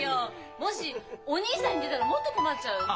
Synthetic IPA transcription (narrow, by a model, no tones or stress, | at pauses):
jo | mo̞ɕioɲ̟iːsãɲ̟ːid̪e̞t̪aɾamo̞t̪ːoko̞matːt͡ɕaɯ̟